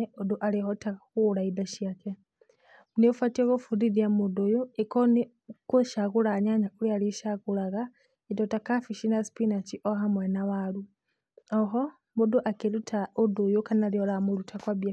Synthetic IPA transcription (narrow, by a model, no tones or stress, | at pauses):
eoduʔalihotakulaidaʃiake | uniofatioɣofuðiðjamudujuikon | kuʃaɣulaɲaɲakulialiʃaɣulaɣa | idotakafiʃinaspinat͡ʃiʔoɦamwenawalu | oɦo | muduʔakeɾutʰaudujukanaliolamulutʰakwabja